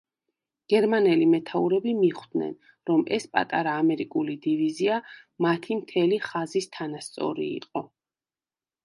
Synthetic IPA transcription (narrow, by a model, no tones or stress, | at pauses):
ɡ̥ɛɾmanɛlimɛt̪ʰauɾɛbimiχwd̪nɛ̰n | ɾɔmɛspʼa̰t̪ʼaɾaːmɛɾikʼulid̪ivizia | mat̪ʰimt̪ʰɛliχazist̪ʰanast̪sʼɔ̰ɾḭːqʼɔ